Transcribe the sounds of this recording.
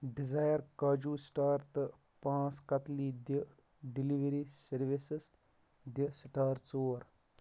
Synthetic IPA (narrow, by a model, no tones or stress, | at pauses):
ɖizajəɾkaːd͡ʒuːsʈaːɾt̪ | pãːt͡skɐt̪liːd̪ə | ɖiliʋeɾisɐɾʋisəs | d̪əsʈaːɾt͡soːɾ